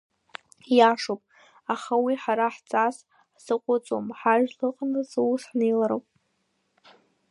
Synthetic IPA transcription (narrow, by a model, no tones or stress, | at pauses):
jaʂowpʼ | aχawiħaɾaħt͡sʼas | ħsɨqʷʼʊt͡sʼo̰mħaʒᶣlɨqʼnɨzwusħnejlaɾowpʼ